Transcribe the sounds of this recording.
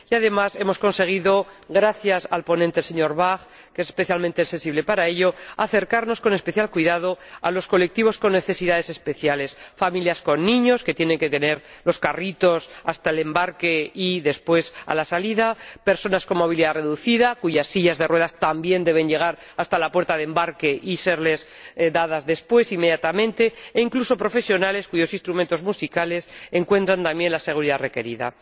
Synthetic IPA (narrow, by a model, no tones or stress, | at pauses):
jaðe̞mase̞mo̞sko̞nse̞ɣ̞iðo̞ɣɾaθjasalpo̞nẽnt̪lseɲo̞ɾβaɣ | keesespe̞θjalment̪esensiβle̞paɾae̞ʎo̞aθe̞ɾkaɾno̞sko̞ne̞speθjalkwiðað̞o̞a̰lo̞sko̞le̞k̚t̪iβo̞sko̞nːe̞θe̞siðaðe̞se̞spe̞θjale̞sfamiljasko̞nːĩɲo̞ske̞t̪je̞neŋke̞t̪e̞ne̞ɾlo̞skarit̪o̞sast̪aele̞mbaɾke̞iðe̞spwe̞sa̰lasaliðapeɾso̞nasko̞moβ̞iliðare̞ðuθiðakuʝasːiʝazðe̞rwe̞ðast̪ambje̞nd̪e̞β̞e̞ɲʝe̞ɣ̞aɾ | ast̪alapwe̞ɾt̪aðe̞mbaɾke̞ʔise̞ɾle̞s | ðaðazðe̞spwe̞sime̞ðjat̪amẽ̞nt̪e̞eiŋkluso̞pɾo̞fe̞sjo̞nale̞skuʝo̞sinst̪ɾumẽnt̪o̞zmusikale̞se̞ŋkwe̞nt̪ɾant̪ãmbje̞nlase̞ɣ̞uɾiðare̞ke̞ɾiða̰